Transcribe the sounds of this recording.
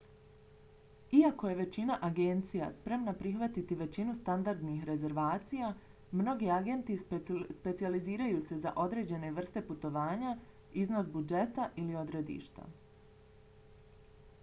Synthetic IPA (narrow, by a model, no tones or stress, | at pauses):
iako̞je̞ʋe̞t͡ɕinaʔaɡe̞nt̪sija̰spɾe̞mnapɾixʋat̪it̪iʋe̞t͡ɕinust̪and̪aɾd̪nixɾe̞ze̞ɾʋaːt̪sija | mno̞ɡiaɡe̞nt̪ispe̞t̪sializiːɾajuːse̞za̰ʔo̞d̪ɾe̞ːd͡ʑe̞ne̞ʋr̩st̪e̞put̪o̞ʋaːɲa | izno̞sbud͡ʒe̞t̪aʔilio̞d̪ɾe̞d̪ḭːʃt̪a̰